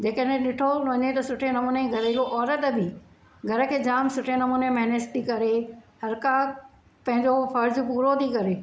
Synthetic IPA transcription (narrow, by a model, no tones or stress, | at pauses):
d͡ʑeːkəɗẽɗɪʈʰoʋɐɲet̪ɐsʊʈʰenɐmuːneɡʱɐɾeloʔɔːɾət̪bʱɪ | ɡʱɐɾə̆kʰeːd͡ʑaːmsʊʈʰenɐmuːnemɛɦnestikɐɾehɐɾka | pɐ̃ɦɪ̃ɲd͡ʑofɐɾd͡ʑpuːɾot̪ʰikɐɾeː